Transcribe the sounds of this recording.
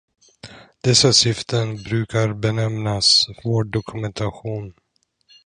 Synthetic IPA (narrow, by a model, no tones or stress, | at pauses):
d̪̥ɛsasɪft̪ənbɾʉ̟ːkaɾbɛnɛmnasvoːɖʊkʰɵmɛnt̪ʰaɧuːn